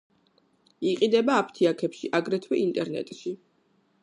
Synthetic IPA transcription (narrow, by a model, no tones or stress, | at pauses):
iqʼid̪ɛbaːpʰt̪ʰiakʰɛpʃiʔaɡɾɛt̪ʰwɛʔint̪ʼɛɾnɛ̰t̪ʼʃi